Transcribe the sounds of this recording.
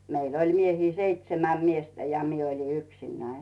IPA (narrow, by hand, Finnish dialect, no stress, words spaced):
meil olʲ miehiː seitsemæm miestæ jɑ mie olʲi yksinːæin̥